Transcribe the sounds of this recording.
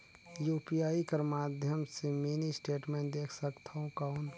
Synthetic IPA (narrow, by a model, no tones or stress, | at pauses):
juːpijaːikəɾmaːd̪ʱjəmseminisʈeːʈmẽnʈd̪eːkʰsəkt̪ʰaõkaʊn